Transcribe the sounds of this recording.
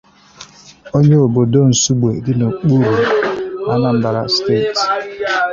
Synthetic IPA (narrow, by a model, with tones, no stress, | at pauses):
o˦ɲe˦o˨bo˨do˦n̩˨su˦ɡ͡be˨dɪ˦no˨k͡pu˦ɾu˨a˦na˦˨m̩˦ba˨ɾa̰˦ste˦˨t